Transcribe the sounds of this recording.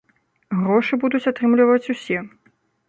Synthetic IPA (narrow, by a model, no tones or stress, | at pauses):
ɣɾɔʂɨbud̪ut͡sʲat̪ɾɨmlʲivɐt͡sʲusʲɛ